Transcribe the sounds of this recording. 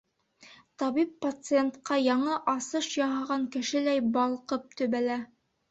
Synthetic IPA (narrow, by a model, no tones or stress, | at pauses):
t̪ɑβipːɐt̪sɨent̪qɑjɑɴɤʔɑsɤʃjɑɦɑʁɑŋkɘ̆ʃɘ̆læjbɑlˠqɤp̚t̪ɵ̆βælæ